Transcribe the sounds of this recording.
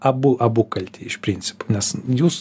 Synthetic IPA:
ɐbʊʔɐbʊkɐlʲt̪ʲiːɪʃpʲɾʲinʲt͡sʲɪ̥po̥nʲɛsjuːs

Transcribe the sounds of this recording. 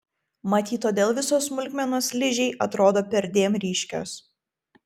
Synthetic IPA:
mɐt̪ʲiːt̪oːd̪ʲeːlˠʋʲɪsoːsmʊlʲkmʲɛnoːslʲɪʒʲɛɪʔɐt̪ɾoːd̪oːpʲɛɾʲd̪ʲeːmɾʲiːʃʲkʲo̰ːs

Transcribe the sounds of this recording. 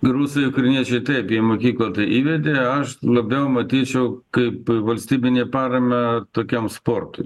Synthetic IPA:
ɡɾuːsɐjʊkɾɐnʲiɛt͡ʃʲɛɪt̪ɐɪpiɛmoːkʲiːklˠɐt̪ɐɪʔiːʋʲɛd̪ʲeːɐʃlˠɐbʲɛʊmɐt̪ʲiːt͡ʃʲɛʊkɐɪpʋɐlʲsʲt̪ʲiːbʲɪnʲeːpɑːɾɐmʲɛt̪oːkʲomspoːrt̪ʊɪ

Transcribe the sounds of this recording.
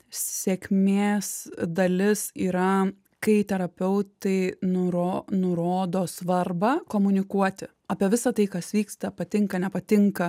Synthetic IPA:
ssʲɛkʲmʲeːsd̪ɐlʲɪsiːɾɐ | kɐɪt̪ʲɛɾɐpʲɛʊt̪ɐɪnʊɾoːnʊɾoːd̪oːsʋɐrbɐkoːmʊnʲɪkuɔt̪ʲɪ | ɐːpʲiɛʋʲɪsɐt̪ɐɪkɐsʋʲiːkst̪ɐpɐt̪ʲɪŋkɐnʲɛpɐt̪ʲɪŋkɐ

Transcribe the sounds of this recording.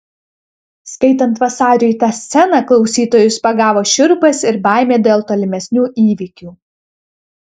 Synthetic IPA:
skɐɪt̪ɐnt̪ʋɐsɑːɾʲʊjt̪ɑːsʲsʲɛnɑklˠɒʊsʲiːt̪oːjʊspɐɡɑːʋoːʃʲɪɾbɐsɪɾbɑˑɪmʲeːd̪ʲeːlˠt̪oːlʲɪmʲɛsʲnʲuːʔiːʋʲɪkʲuː

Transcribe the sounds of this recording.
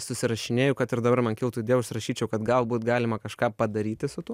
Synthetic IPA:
sʊsʲɪɾɐʃʲɪnʲeːjʊkɐt̪ɪɾd̪ɐbɐɾmɐnkʲɪlˠt̪uɪd̪ʲeːʊʃʲsʲɪɾɐʃʲiːt͡ʃʲɛʊkɐt̪ɡɐlˠbuːt̪ɡɑːlʲɪmɐkɐʃkɑːpɐd̪ɐɾʲiːt̪ʲɪsʊt̪uː

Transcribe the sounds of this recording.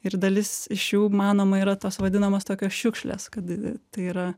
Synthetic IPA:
ɪrd̪ɐlʲɪsɪʃjuːmɑːnoːmɐiːɾɐt̪oːsʋɐd̪ʲɪnɐmɐst̪oːkʲoːsʃʲʊkʃʲlʲḛːskɐt̪t̪ɐɪiːɾɐ

